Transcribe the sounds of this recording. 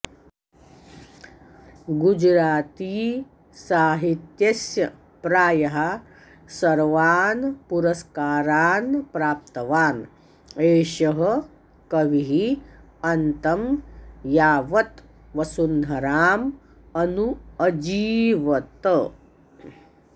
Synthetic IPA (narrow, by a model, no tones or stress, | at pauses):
ɡud͡ʒɾaːt̪iː | saːɦit̪jɐsjɐ | pɾaːjɐɦa | sɐɾʋaːnpuɾɐskaːɾaːnpɾaːp̚t̪ɐʋaːn | eːʃɐɦɐ | kɐʋiɦi | ɐnt̪ɐmjaːʋɐt̪ | ʋɐsund̪ʱɐɾaːm | ɐnuɐd͡ʒiːʋɐt̪